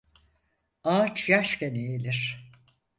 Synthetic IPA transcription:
aːt͡ʃʰjaʃcenejilʲiɾ̥

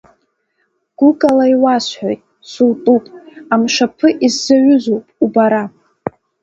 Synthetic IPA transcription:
ɡ̥ʷʊkʼalaiwasħʷᶣojtʼ | sultʼupʼamʂapʰɨʔizːaɥʷʊzowpʼubaɾa

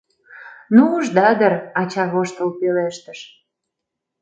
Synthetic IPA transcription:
nuuʒd̪ɑd̪ərɑt͡ɕɑβoʃt̪əlpeleʃt̪əʃ

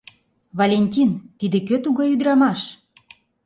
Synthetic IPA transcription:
βalʲenʲtʲint̪id̪ĕkøt̪uɣɑyd̪ɾɑmɑʃ

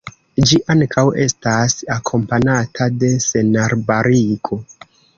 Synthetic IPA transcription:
d͡ʒiʔaŋkʰawe̞stasakʰo̞mpanatʰade̞se̞naɾbaɾikʰo̞

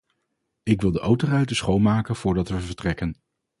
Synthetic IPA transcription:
ɪkʋɪlˠdəʔowtərɛɥtəsχowmaːkənv̥ʊːɹdɑtʋəvəɹtrɛkən

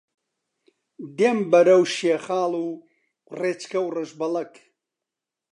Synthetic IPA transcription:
d̪eːmbɐɾɐwʃeːχaːlu | reːt͡ʃkɐwrɨʒbɐlɐk

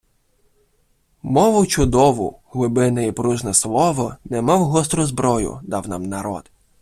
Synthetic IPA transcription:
mɔʋʊt͡ʃʊd̪ɔʋʊ̰ɦlˠɪbɪnɐipɾuʒnɐslˠɔʋɔnɛmɑwɦɔst̪ɾʊzbɾɔjʊ̰d̪ɑwnɑ̰mnɐɾɔ̰d̪

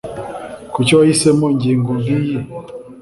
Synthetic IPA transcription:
kut͡ʃɔaisɛmɔɲɟiŋɡuŋɡiji

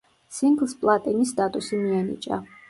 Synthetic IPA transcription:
siŋɡlˠspʼlˠat̪ʼinist̪ʼat̪ʼusimianḭt͡ʃʼa̰

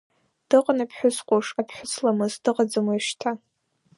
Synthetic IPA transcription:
d̥ɨqʼnapʰħʷᶣʊsqʷʼoʂapʰħʷʊt͡sʰlamɨzdɨqʼad͡zamaiʂtʰa

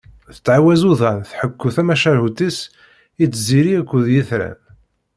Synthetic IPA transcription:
θə̥t͡sːʕawæzuðænθħəkːuθæmæʃælhut̪is | it͡sːziɾiækʷːʊðjiθɾæ̰n

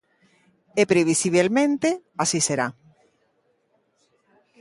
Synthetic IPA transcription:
epɾeβ̞isiβ̞elmẽnt̪easiseɾa

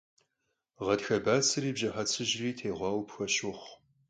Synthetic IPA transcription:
ʁɐdxɐbaːt͡sʰɨriːbʑɐħɐt͡sʰɨʑriːtʰeːʁʷɑːwpxɐɕʊχʷ

